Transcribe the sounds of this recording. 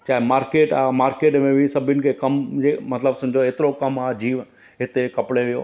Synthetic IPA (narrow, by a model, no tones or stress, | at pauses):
t͡ɕaːɦemaːɾkeːʈaːɦmaːɾkeːʈmẽbɪsɐbʱʊnɪ̆kʰeːkɐmd͡ʑemɐt̪ləbsɐɪ̃d͡ʑoeːt̪ɪɾokɐmaːɦd͡ʑiːʋ | ɦɪt̪ekɐpɪɽeʋijo̰ː